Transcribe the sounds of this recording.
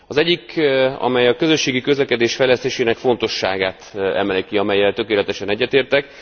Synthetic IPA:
ɒzɛɟːikɒ̰mɛjɒkø̞zø̞ʃːeːɡikø̞zlɛkɛd̪eːʃfɛjlɛst̪eːʃeːnɛkfo̞n̪t̪o̞ʃːa̰ːɡaːt̪ɛ̰mɛlikiɒmɛjːɛlt̪ø̞keːlɛt̪ɛʃɛnɛɟːɛt̪eːrt̪ɛk

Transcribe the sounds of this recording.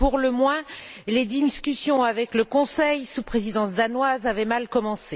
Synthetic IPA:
puʁləmwɛ̃ | led̪iskʲysjɔ̃avɛkləkɔ̃sɛjsupχezid̪ɑ̃sd̪anwazavɛmalkɔmɑ̃se

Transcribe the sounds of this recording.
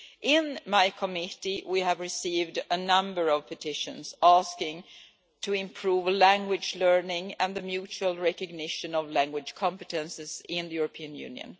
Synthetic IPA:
ʔɪ̃nmaɪkʰəmɪɾiwiævɹɨsiːvdənʌ̃mbə˞ʌv̥pʰɨtʰɪʃɨ̰̃nz̥æskɪ̃ŋ | tʰɨɪ̃mpʰɹ̥uvlæ̃ŋɡwɪd͡ʒlɜ˞nɪ̃ŋɨ̃nðɨmjʉt͡ʃuəlˠɹɛkɨɡ̚nɪʃɨ̃nʌvlæ̃ŋɡwɨd̥ʒ̥kʰɑ̃mpɨtɨ̃nsɨz̥ɪ̃nðɨjuɹəpʰiɨ̃njʉ̰̃ːnjɨ̰̃n

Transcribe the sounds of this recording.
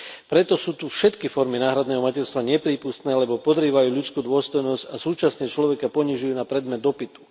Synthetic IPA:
pɾɛt̪ɔsuːt̪ufʃɛt̪kifɔɾminaːɦɾad̪nɛːɦɔmacɛɾst̪ʋaɲɛpɾiːpust̪nɛːlɛbɔpɔd̪ɾiːʋajuːʎut͡skuːd̪ʊɔst̪ɔjnɔscasuːt͡ʃasɲɛt͡ʃlɔʋɛkapɔɲiʒujuːnapɾɛd̪mɛd̪ːɔpit̪u̥

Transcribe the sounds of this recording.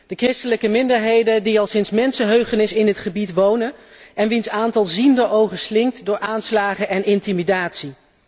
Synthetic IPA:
d̥əkrɪstələkəmɪndəɹɦejdədiɑlˠsɪnsmɛnsəɦøɥχənɪsɪndətχəbitʋownən | ɛnʋinsaːntɑlˠzindəowχəslɪŋtdʊːɹʔaːnslaːχəʔɛnʔɪntimidaːtsi

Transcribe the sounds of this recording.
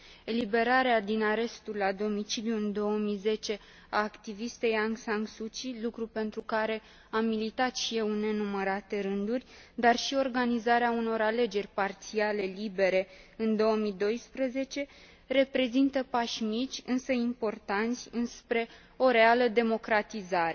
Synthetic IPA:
e̞libe̞ɾaɾead̪inaɾe̞st̪ulːad̪o̞mit͡ʃiljuɨnd̪o̞omize̞t͡ʃe̞ | aːkt̪ivist̪e̞jaŋsaŋɡsut͡ʃilukɾupe̞nt̪ɾukaɾe̞ | amilit̪at̪ʃije̞wne̞numəɾat̪e̞ɾɨnd̪urʲd̪arʃio̞rɡanizaɾeauno̞ɾale̞d͡ʒe̞rʲpart̪siale̞libe̞ɾe̞ɨnd̪o̞omid̪o̞jspɾəze̞t͡ʃe̞ | re̞pɾe̞zint̪əpaʃmit͡ʃʲɨnsəimpo̞rt̪ant̪sʲɨnspɾe̞ | o̞ɾe̞aləd̪e̞mo̞kɾat̪izaɾe

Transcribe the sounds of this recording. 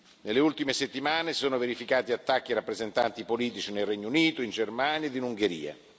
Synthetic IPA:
nelːeult̪imeset̪ːimaːnesi̥soːnoveɾifikaːt̪iat̪ːak̟ːiɾapːɾezent̪ant̪ipoliːt̪it͡ʃinelrɛɲːouniːt̪oind͡ʒermaːnjaed̪inuŋɡeɾḭːa̰

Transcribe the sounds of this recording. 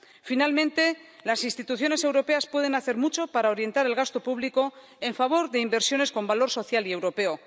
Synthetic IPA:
finalmẽnt̪e̞lasinst̪it̪uθjo̞ne̞se̞wɾo̞pe̞aspwe̞ð̞e̞naθe̞ɾmut͡ʃo̞paɾaoɾje̞nt̪aɾe̞lɣast̪o̞puβliko̞ | e̞ɱfaβ̞o̞ɾðe̞imbe̞ɾsjo̞ne̞sko̞mbalo̞ɾso̞θjalie̞wɾo̞pe̞o̞

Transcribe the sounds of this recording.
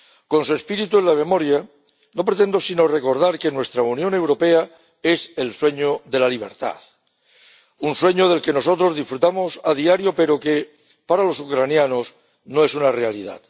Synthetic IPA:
ko̞nsue̞spiɾit̪uenlamẽ̞mo̞ɾja | no̞pɾe̞t̪e̞nd̪o̞sino̞re̞ko̞ɾð̞aɾke̞nwe̞st̪ɾaunjone̞wɾo̞pe̞a | e̞se̞lswe̞ɲo̞ðe̞laliβ̞e̞̰ɾt̪a̰ð | unswe̞ɲo̞ð̞e̞lke̞no̞s̬o̞t̪ɾo̞zðisfɾut̪amo̞saðiaɾjo̞pe̞ɾo̞ke̞ | paɾalo̞sukɾanjano̞s | no̞e̞sunare̞alḭða̰t̪

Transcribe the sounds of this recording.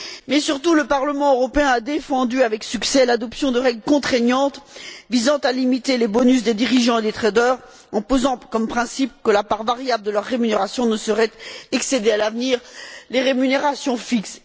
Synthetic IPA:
mɛsyʁt̪uləpaʁləmɑ̃øʁɔpeɛ̃ad̪efɑ̃d̪yavɛksyksɛlad̪ɔpsjɔ̃d̪əʁɛɡləkɔ̃t̪χɛnjɑ̃t̪vizɑ̃t̪alimit̪elebɔnys̬d̪ed̪iʁiʒɑ̃ed̪et̪χed̪œʁ | ɑ̃pozɑ̃kɔmpχɛ̃sip̚kəlapaʁvaʁjabld̪əlœʁːemyneʁasjɔ̃nəsəʁɛt̪ɛksed̪ealavniːʁleʁemyneʁasjɔ̃fiks

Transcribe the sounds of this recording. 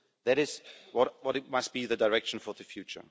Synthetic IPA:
ðæɾɪzwɔtwʌɾɪt̚mʌstb̥iðɨdaɪɹɛkʃə̃n̩fə˞ðəfjʉt͡ʃə̰˞

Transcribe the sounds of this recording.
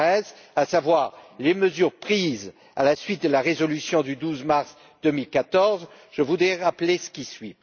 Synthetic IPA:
ɛz | asavwaʁleməzyʁpχiz | a̰lasɥit̪̚d̪əlaʁezɔlysjɔ̃d̪yd̪uzmaʁs | d̪əmilkat̪ɔʁz | ʒ̥əvud̪ʁɛʁaplesə̥kʲisɥi

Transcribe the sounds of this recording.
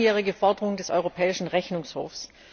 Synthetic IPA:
jɛːʁɪɡəfɔɐdəʁʊŋdɛsʔɔ̰ʏʁopʰɛːɪʃn̩ʁɛçnʊŋsho̰ːfs

